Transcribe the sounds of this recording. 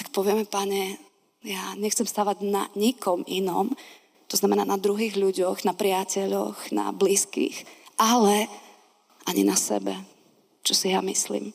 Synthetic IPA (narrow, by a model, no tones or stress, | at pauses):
t̪ak̚pɔʋɪɛmɛpaɲɛ | jaɲɛxt͡sɛmst̪aːʋaɟnaɲikʰɔmʔinɔm | t̪ɔznamɛnaːnad̪ɾuɦiːɣʎuɟɔɣnapɾɪacɛʎɔ̰xna̰bliːskḭxʔalɛ | ʔaɲḭnasɛ̰bɛ | t͡ʃɔsijamislḭːm